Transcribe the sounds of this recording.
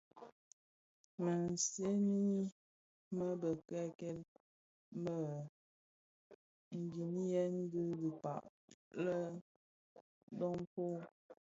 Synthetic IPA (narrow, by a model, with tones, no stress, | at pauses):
mə˨n˨se˦ni˦ | mə˦bə˨kɛ˦kɛ˦l̚ | mə˨ | ŋ̩˨ɡi˨ni˦jɛ˦n̩˦ɡɨ˦ɡi˨pa̰˨ʔlə˦ | dɔ˦mpo˦